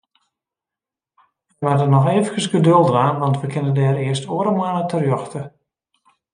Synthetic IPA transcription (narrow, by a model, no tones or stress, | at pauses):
əjʋardənɔxeːvəkəsɡədølˠdəraːnʋɑntʋəkʰɪnədɛːɾɪəstoəɾəmaːlətʰərjɔxtə